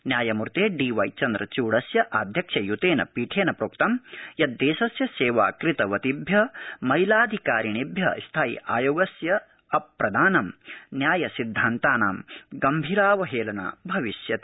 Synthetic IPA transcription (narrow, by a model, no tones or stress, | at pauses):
njaːjɐmuɾt̪eːɖiːʋɐjt͡ʃɐnd̪ɾɐt͡ʃuːɽɐsjɐʔaːd̪ʱjɐkʂɐjut̪eːnɐ̰piːʈʰeːnɐpɾoːk̚t̪ɐmjɐd̪ːeːʃɐsjɐseːʋaːkɾit̪ɐʋɐt̪ibʱjɐmɐjlaːd̪ʱikaːɾinibʱjɐ̰st̪ʰaːḭʔaːjoːɡɐsjɐ | ɐpɾɐd̪aːnɐmnjaːjɐsid̪ʱːaːnt̪aːnaːmɡɐmbʱiːɾaːʋɐɦeːlɐna̰ːbʱɐʋiʃjɐt̪